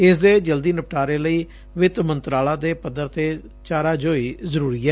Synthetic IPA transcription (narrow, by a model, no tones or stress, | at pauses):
ɪsd̪eːd͡ʒəld̪iːnəp̚ʈaːɾeːləiː | ʋɪt̪mənt̪ɾaːlãːd̪eːpəd̪ːəɾt̪eː | t͡ʃaːɾaːd͡ʒoːiːzəɾuːɾiːɛː